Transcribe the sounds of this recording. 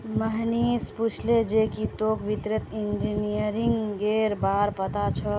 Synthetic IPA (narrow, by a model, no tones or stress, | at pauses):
məɦnisput͡ʃʰled͡ʒekit̪okbit̪ɾət̪ind͡ʒinijəɾiŋɡɡeɾbaɾpət̪at͡ʃʰɔ